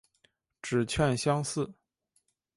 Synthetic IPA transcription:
ʈ͡ʂɻ̩˨˩t͡ɕʰɥɛ˥˧nɕjɑ˥ŋsɹ̩˥˩

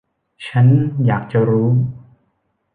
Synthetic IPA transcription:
t͡ɕʰa˦˥njaː˨˩k̚t͡ɕa˨ɾuː˦˥

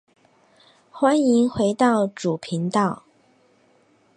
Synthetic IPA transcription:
xwa˥ni˧˥ŋxwe˧˥ɪt̪ɑ˥˩ʊʈ͡ʂu˨˩pʰi˧˥ŋt̪ɑ˥˩ʊ

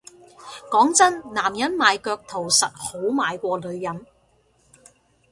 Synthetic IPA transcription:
kɔː˨˥ŋt͡sɐ˥nnaː˨˩mjɐ˨˥nmaː˨˧jkœː˧k̚t̪ʰo˨˩wsɐ˨t̚ho˨˥wmaː˨˧jkʷɔː˧lɵ˨˧ɥjɐ˨˥n

